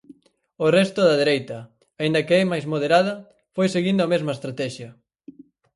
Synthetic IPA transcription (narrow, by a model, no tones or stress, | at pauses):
orɛst̪ʊðɐðeɾejt̪ɐ | aind̪ɐkeɛmajzmoðeɾaðɐ | fojseɣind̪oɐmezmɐest̪ɾat̪ɛʃjɐ